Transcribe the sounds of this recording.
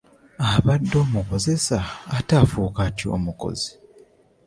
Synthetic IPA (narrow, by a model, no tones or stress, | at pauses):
aβadːo̞ːmuko̞ze̞saːtaːfuːkatio̞̰ːmuko̞̰zi̥